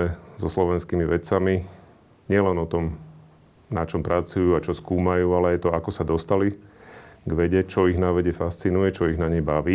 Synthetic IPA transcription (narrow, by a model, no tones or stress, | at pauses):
ɛzɔslɔʋɛnskiːmiʋɛt͡sami | ɲɪɛlɛnɔt̪ɔm | nat͡ʃɔmpɾʔat͡sujuːat͡ʃɔskuːmajuːalɛajt̪ɔakɔsad̪ɔst̪ali | ɡʋɛɟɛt͡ʃɔiɣnaʋɛɟɛfast͡sinujɛt͡ʃɔiɣnaɲɛjbaʋiː